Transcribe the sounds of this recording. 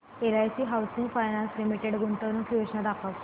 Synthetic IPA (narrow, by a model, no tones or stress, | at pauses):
elajsiːɦawsiŋɡfajnãnslimiʈeɽɡuɳʈ̪əʋnokiʋeɕnad̪akəʋ